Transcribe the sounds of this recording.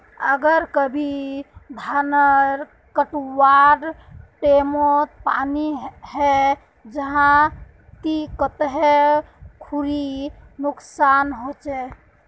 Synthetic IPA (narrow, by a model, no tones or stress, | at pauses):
ə̰ɡəɾkəbʱid̪ʱanəɾ | kəʈwaɖʈemot̪paniɦɛ | d͡ʒəɦã | t̪ikət̪ɦekʰuɾinuksanɦot͡ʃɛ